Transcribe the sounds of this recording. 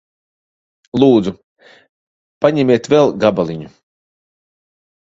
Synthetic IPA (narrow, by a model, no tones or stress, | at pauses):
lˠuːd̪zu | paɲɛmiɛt̪vɛlˠɡabalʲˠiɲu